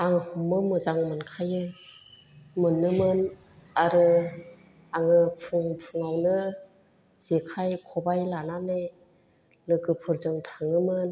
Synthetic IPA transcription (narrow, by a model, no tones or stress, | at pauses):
aŋhɔmɯmɯzaŋmɯnkʰajɯ | mɯnːɯmɯn | aɾɯ | aŋɯpʰɯŋpʰɯŋawnɯ | z̥ekʰajkʰɔbajlanane | lɯɡɯpʰɯɾzɯŋtʰaŋɯmɯn